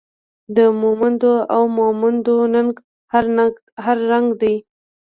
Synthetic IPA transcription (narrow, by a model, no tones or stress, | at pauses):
d̪əmumand̪oawmomand̪onanɡ | haɾ | haɾːaŋɡd̪aj